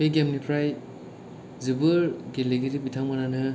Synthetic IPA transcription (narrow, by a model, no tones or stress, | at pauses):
peɡemnipʰɾaj | zibɯɾɡileɡiɾipitʰaŋmananɯ